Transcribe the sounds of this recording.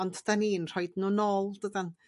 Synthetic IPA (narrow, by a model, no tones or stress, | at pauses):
ɔntʰd̥aniːnr̥ɔjdnunoːlˠdədan